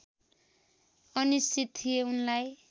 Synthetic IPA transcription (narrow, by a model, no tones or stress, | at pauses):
ʌnisit̪ʰijeunlaj